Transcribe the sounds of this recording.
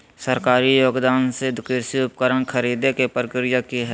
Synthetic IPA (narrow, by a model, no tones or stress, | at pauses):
səɾkaːɾijoːɡd̪aːnsed̪ʊkeːɾsiʊpkəɾəɳ̃kʰəɾiːd̪ekepəɾəkɾɪjakiɦɛ